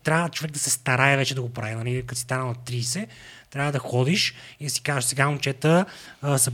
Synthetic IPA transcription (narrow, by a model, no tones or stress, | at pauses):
t̪ɾʲavət͡ʃovɛk̚d̪ɐsɛst̪ɐɾajɛvɛt͡ʃɛd̪ɐɡopɾavinɐlikɐt̪sist̪anənɐt̪ɾisɛt̪ɾʲavəd̪ɐxɔd̪iʃid̪ɐsi̥kaʒesɛɡamut͡ʃɛt̪əsɐ